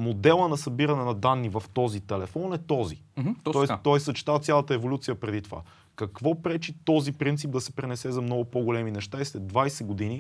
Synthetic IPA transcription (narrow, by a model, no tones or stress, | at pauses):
mod̪ɛlˠənɐsɐbiɾɐnɛnɐd̪anːivɐft̪ɔzit̪ɛlɛfɔnɛt̪ɔzit̪ɔɛst̪ɔɛsɐt͡ʃɛ̥t̪at̪sʲalˠɐt̪əɛvolʲut̪sijəpɾɛd̪it̪ova̰ | kɐkvɔpɾɛt͡ʃit̪ɔzipɾint̪sip̚d̪ɐsɛ̥pɾɛnɛsɛzɐmnɔɡʊpoɡolɛminɛʃt̪aislɛd̪vajsɛɡod̪ini